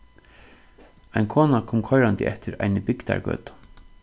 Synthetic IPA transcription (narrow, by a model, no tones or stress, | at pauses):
ajnkʰɔːnakʰɔːmkʰɔjɾant̪ɪ̰ʔɛft̪ɪɾa̰jnɪbɪkt̪a̰ɹɡœ̰ːt̪ʊ̥